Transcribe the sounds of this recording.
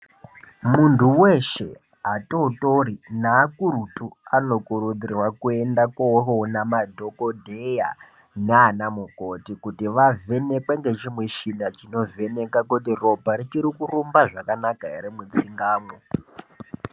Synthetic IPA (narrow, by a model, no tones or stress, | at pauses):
muntʰuwe̞ʃe̞ | ɦatotoɾinaːkuɾutuano̞kuɾud͡zirwakuendakoɦonamadʱokodʱeja̰ | neanamuko̞tikutiʋavʱe̞ne̞kweŋɡe̞t͡ʃimwet͡ʃinat͡ʃino̞ve̞ne̞kakut̬iro̞bʱaɾit͡ʃiɾikurumbaʐakanakaḛɾemut͡siŋɡaːmo